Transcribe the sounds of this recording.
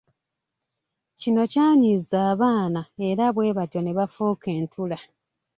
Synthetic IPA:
cino̞caːɲizaːβaːnae̞ɾaβwe̞ːβato̞ne̞βafoːke̞ːntʰula

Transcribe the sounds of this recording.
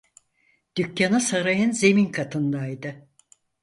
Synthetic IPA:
d̪̥ycːanasaɾajɯnze̞minkʰat̪ʰɯnd̪ajd̪ɯ

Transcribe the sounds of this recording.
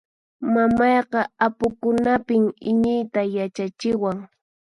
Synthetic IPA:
mamɑjqɑapʊkʊnapɪmɪɲɪjt̪ajat͡ʃat͡ʃɪwaŋ

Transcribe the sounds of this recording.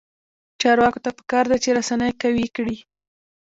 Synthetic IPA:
t͡ʃɑɾwɑkot̪apə̥kɑɾd̪at͡ʃeɾasanəjkawikɽi

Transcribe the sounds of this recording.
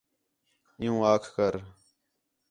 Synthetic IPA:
ɪjũːaːkʰkəɾ

